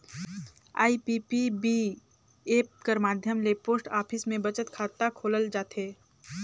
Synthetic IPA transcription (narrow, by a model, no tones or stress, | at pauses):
a̰ːipipibi | eːp̚kəɾmaːd̪ʱjəmlepoːsʈaːpʰɪsmẽbət͡ʃət̪kʰaːt̪ːakʰoːləld͡ʒaːt̪ɦeː